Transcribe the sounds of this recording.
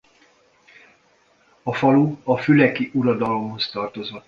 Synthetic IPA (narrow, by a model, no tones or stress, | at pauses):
ɒfɒluɒfylɛkiʔuɾɒd̪ɒlo̞mho̞st̪ɒrt̪o̞zo